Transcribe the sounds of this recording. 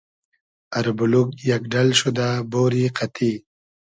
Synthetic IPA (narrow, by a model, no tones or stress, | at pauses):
aɾbulukjakɖalʃud̪aboːɾiqʰat̪ʰi